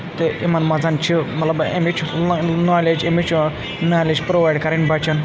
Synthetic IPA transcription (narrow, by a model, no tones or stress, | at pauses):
t̪eʔimɐnmɐd͡zɐnt͡ʃʰimɐt̪lɐbḛmit͡ʃʰnaːled͡ʒemit͡ʃʰu | naːled͡ʒpɾoʋaːjɖkɐɾeɳʈbɐt͡ʃʰɐn